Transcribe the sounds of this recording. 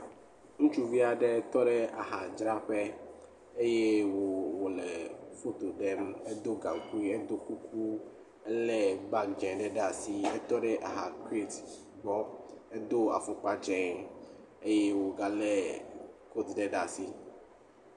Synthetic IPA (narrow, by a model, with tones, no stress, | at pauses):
ŋũ˦t͡ʃu˦vi˦a˨ɖɛ˦t̪ɔ˦ɖɛ˦a̰˨ɦa˨d͡ʒɾa˦ɸɛ˦ | e˦jɛ˦wɔ˨wɔ˨lɛ˨fo˦t̪o˨ɖɛ˦mɛ˦d̪o˦ɡã˨ŋ˨ku˦i˦ɛ˦d̪o˦ku˦kʰu˦ | ɛ˦lɛ˦ba˦kd͡ʒɛ̃˨nɖɛ˦ɖa˨si˦ɛ˦t̪ɔ˦ɖɛ˦ʔa˨ɦa˨ke˦t | bɔ˦ɛ˦d̪o˦a̰˨fʊ̃˨k͡pa˦d͡ʒɛ̃˨ŋ | e˦jɛ˦wo˨ɡa˨lɛ˦ko˦t̪ɖɛ˦ɖa˨si˦